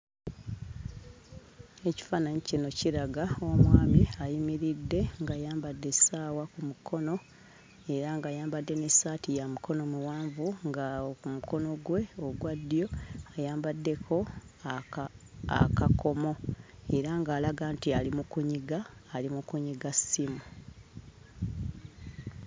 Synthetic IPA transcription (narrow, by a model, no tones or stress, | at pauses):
e̞ci̥faːnaɲicino̞ciɾaɡao̞mwaːmiajimiɾidːe̞ŋɡajaːmbadːe̞saːwakumukʰo̞no̞ | e̞ɾaŋɡaːjaːmbadːe̞nesaːtijamukʰo̞no̞muwaːɱvuŋɡaokumuko̞no̞ɡwe̞oɡwadːijo̞ajaːmbadːe̞kʰo̞ | a̰kako̞mo̞e̞ɾaŋɡaːlaɡaːntialimukuɲiɡaːlimukuɲiɡasimu